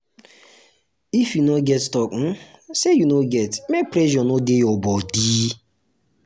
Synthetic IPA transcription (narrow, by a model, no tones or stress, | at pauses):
ifjunoɡɛtstɔkn̩sejunoɡɛtmek̚pɾɛʒɔnodejɔbɔdiː